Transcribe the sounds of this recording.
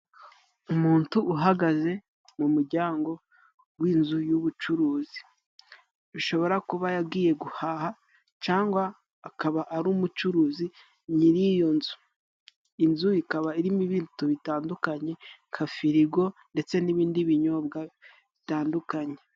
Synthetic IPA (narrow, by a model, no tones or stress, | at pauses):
umuːntuuɦaɡaze̞ | mumuɾɟaːŋɡo̞ | ɡwiːnzujuβut͡ʃuɾuːzi | βiʃo̞βo̞ɾakuβajab̚ɡiːje̞ɡuhaha | t͡ʃaːŋɡwaː | kaβaʔaɾuːmut͡ʃuɾuːzi | niɾijo̞nzu | inzuikaβaiɾimiβiːntuβitaːndukaɲe̞ŋkʰafiɾiɡo̞nde̞t͡se̞niβiːndiβiɲo̞ːb̚ɡa | βitaːndukaɲe̞